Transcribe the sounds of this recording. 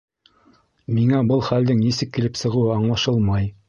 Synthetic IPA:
miŋæbɤlˠχæld̪ɘŋnisɘkːilɘpsɤ̆ʁɤ̆wɤɑɴlˠɑʃɤlˠmɑj

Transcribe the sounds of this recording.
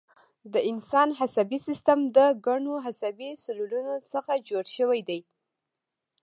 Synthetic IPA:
d̪əɪnsɑnɦasabisist̪amd̪əɡaɳoɦasabisʊlulunosəxad͡ʒoɽʃəwajd̪aj

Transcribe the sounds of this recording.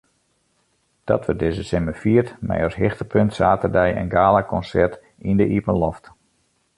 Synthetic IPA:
d̥ɔ̰tʋədɪzəsɪməfiərtmɛ̰jɔsɦɪxtəpʰøntsaːtərdɛjə̰nɡaːlakʰɔnsɛrt | indəʔipənlɔft

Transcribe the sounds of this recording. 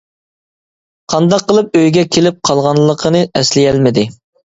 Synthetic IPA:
qʰɑnd̪ɑqːəlˠɨp̚øjɡʲɛkʲʰelɪp̚qʰɑlˠʁɑnlˠːəqʰənɨɛslɪjɛlmɪd̪ɪ

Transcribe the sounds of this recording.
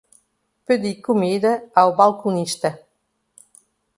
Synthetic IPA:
pəd̪ikumid̪əawbalkuniʃt̪ɐ

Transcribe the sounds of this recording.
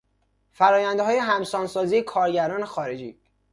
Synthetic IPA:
fæɾɒːjænd̪eɦɒːjeɦæmsɒːnsɒːziːjekʰɒːɾɟæɾɒːnexɒːɾe̞d͡ʒiː

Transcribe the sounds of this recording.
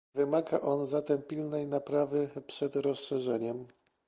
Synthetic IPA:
vɘmaɡaʔɔnzat̪ɛmpʲilnɛjnapɾavɘpʂɛd̪ɾɔsʂɛʐɛɲɛm

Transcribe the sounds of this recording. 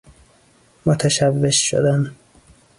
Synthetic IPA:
mot̪ʰæʃævːeʃʃo̰d̪æn

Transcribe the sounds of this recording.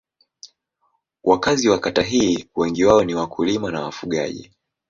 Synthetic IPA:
wʔakaziwakataɦiːwɛŋɡiwaɔniwakulimanawa̰fuɠa̰ʄḭ

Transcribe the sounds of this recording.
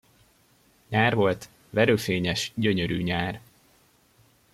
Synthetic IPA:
ɲaːrvo̞lt̪ | ʋɛɾøːfeːɲɛʃɟøɲøɾy̰ːɲaːr

